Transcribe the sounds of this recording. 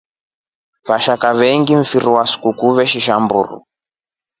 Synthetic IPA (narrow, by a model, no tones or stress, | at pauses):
vaʃakavɛŋɡiɱ̩fiɾuwaskukuβɛʃiʃambṵɾṵ